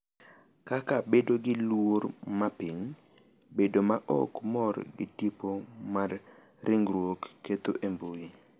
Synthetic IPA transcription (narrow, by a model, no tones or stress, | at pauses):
kakabedoɡɪlwormapɪŋ | bedomaʔɔ̰kmɔrɡɪ̰tipomarː | ɪŋɡɾwokːet̪oʔemboji